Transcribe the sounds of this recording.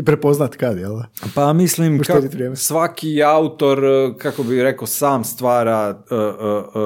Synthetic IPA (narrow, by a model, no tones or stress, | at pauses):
ipɾepoznat̪kad̪jelˠpamislimʃk̪ed̪it̪ʋɾjeːmsʋakiaut̪o̞ɾkako̞biɾekosaːmst̪ʋaːɾaə